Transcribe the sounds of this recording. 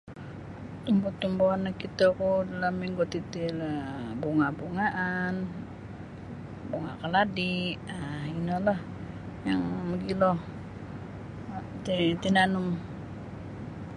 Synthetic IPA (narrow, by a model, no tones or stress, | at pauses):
t̪umbɔt̪umboanakit̪akudalamiŋɡot̪it̪ilbuŋabuŋaʔan | buŋa̰kəladiʔainəlah | jaŋməɡilɔh | t̪it̪inanum